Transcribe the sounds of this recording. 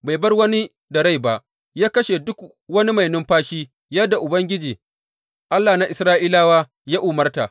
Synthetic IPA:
ba˨jbɐ˦rwɐ˦ni˦ | dɐ˨ɾa˦jba˨ʔ | jaː˦kɐ˦ʃe˨dʊ˦k | wɐ˦ni˦ma˨jnʊ˦mɸaː˦ʃiː˦ | jɐ˦da˨ʔʊ˨bɐ˦ŋɡʲɪ˦d͡ʒiː˨ | ʔa˦lːaː˨na˦˨ʔɪ˨sɾaː˦ʔiː˦laː˦waː˦ | jaː˦ʔʊ˨mɐ˦rta˨ʔ

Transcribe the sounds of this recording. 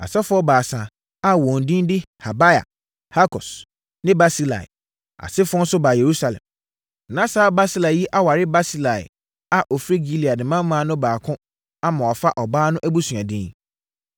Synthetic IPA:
a̰˨sɛ˦fʊ˦ɔ˦baː˨sã˨ | a˦˨wɔ̃˨n˨dĩ˦ndɪ˦ | ha˨ba˦ja̰˨ | ha˦kʰɔ˨s | nɪ̃˦ba˦si˦la̰˨ɪ̰˨ | a̰˨sɪ˦fʊ˦ɔ˦n̩˦sʊ˦baː˨je˨ɾu˦sa˨lɛ̰̃˨m | nã˦sa˦ba˦si˦la˨ji˦ʔa˦wa˨ɾɪ˦ba˦si˦la˨ɪ̰˨ | a˨ʔɔ˨fɾi˦ɡi˦li˨a˨dɪ˨mã˦mː˦ã˨˦nʊ̃˦baː˨kʰʊ̃˦ | a˦mã˨ɔ˨fa˦ʔɔ˨baː˦nʊ̃˦ʔæ˦bu˦su˨ã˨dɪ̃˦n

